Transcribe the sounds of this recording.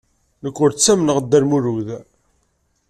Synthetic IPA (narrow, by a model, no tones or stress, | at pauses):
nəkʷːʊɾt͡sːæmnəʁd̪ːæɾmuɾuð